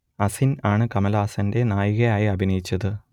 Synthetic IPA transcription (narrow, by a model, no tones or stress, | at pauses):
ɐsinaːɳɨkɐmɐlaːsɐnde̞naːjuɣɐjaːjiɐbʱinɐjit͡ɕːɐðɨ